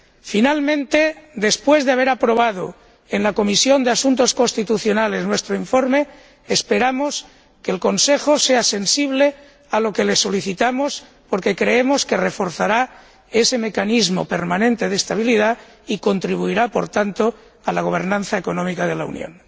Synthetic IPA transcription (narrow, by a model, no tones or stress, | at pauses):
finalmẽnt̪ed̪e̞spwe̞zðeaβ̞e̞ɾapɾo̞β̞að̞o̰ | enlako̞misjo̞nd̪easunt̪o̞sko̞nst̪it̪uθjo̞nale̞znwe̞st̪ɾoiɱfoɾmeː | speɾamo̞s | keːlko̞nse̞xose̞ase̞nsiβ̞le̞ | alo̞ke̞leso̞liθit̪amos | po̞ɾke̞kɾeemo̞skere̞fo̞ɾθaɾa | e̞se̞me̞kanizmo̞̰pe̞ɾmanẽnt̪e̞ð̞est̪aβ̞iliða | iko̞nt̪ɾiβuiɾapo̞̰ɾt̪ant̪o | alaɣ̞o̞β̞e̞ɾnãnθaeko̞nõ̞mikað̞e̞laṵnjo̰n